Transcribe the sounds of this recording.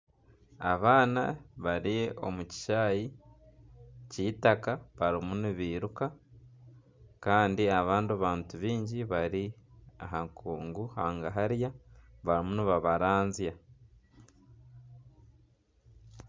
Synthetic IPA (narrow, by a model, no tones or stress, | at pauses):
aβaːna̰βaɾio̞̰muci̥ʃaji | ciːtakaβaɾimuniβiːɾuka | kaːndiaβaːndaβaːntuβiːɲɟiβaɾiaɦaŋkʰuːŋɡuhaːŋɡaɦaɾjaβaɾimuniβaβaɾaːnzja